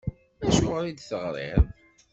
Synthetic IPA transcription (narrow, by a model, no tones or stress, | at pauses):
æʃʊʁɾid̪θəʁɾˤḭɾˤ